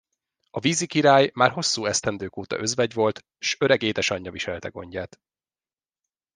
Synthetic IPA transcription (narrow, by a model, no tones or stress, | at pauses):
ɒviːzikiɾaːjmaːrɦo̞sːuːɛst̪ɛnd̪øːkoːt̪ɒ̰ʔø̞zvɛɟʋo̞lt̪ | ʃø̞ɾɛɡeːd̪ɛʃɒɲːɒviʃɛlt̪ɛɡo̞̰ɲɟaːt̪